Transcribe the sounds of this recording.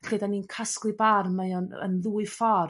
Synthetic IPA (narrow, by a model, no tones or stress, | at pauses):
ɬedaninkʰasklˠɨbarmajɔnə̰nðuːɨfɔr